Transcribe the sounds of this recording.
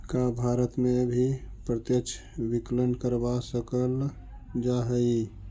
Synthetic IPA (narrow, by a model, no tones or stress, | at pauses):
kabʱaːɾət̪mẽbʱipɾət̪jəkt͡ʃʰ | biklənkəɾbasəkəl | d͡ʒaɦəi